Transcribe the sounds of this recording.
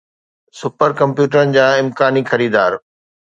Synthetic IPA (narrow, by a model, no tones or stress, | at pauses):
sʊpəɾkɐ̃mpjuːʈəɾənɪ̆d͡ʑaːɪ̃mkaːnixɐɾiːd̪aːɾ